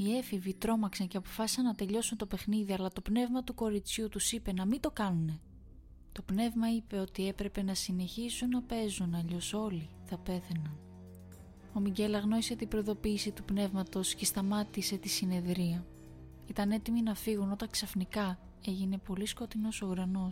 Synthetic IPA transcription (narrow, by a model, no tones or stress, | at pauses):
ie̞fivit̪ɾo̞mɐksɐɲce̞ɐpo̞fɐsi̥sɐnɐt̪e̞ʎo̞sunt̪o̞pe̞xniðiɐlɐt̪o̞pne̞vmɐt̪uko̞ɾit͡sçut̪usipe̞nɐmit̪o̞kɐnune̞ | t̪o̞pne̞vmɐipe̞o̞t̪ie̞pɾe̞pe̞nɐsine̞çisunːɐpe̞zunɐʎo̞so̞li | θɐpe̞θe̞nɐn | o̞miɟe̞lɐɣno̞ise̞t̪ibɾo̞iðo̞piːsit̪upne̞vmɐt̪o̞sce̞st̪ɐmɐt̪ise̞t̪isine̞ðɾiɐ | it̪ɐne̞t̪iminɐfiɣuno̞t̪ɐŋksɐfnikɐ | e̞ʝine̞po̞lisko̞t̪ino̞so̞uɾɐno̞